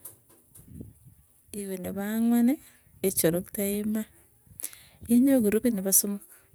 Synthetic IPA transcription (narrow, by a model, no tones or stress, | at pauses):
iweneβaŋwaneː | t͡ʃoɾokitaima | iɲoɡuɾukiniβasomo